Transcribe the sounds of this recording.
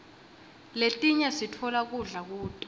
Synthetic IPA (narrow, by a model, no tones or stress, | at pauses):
letʼiɲasitʰɔlak̬uɮak̬uːtʼɔ̥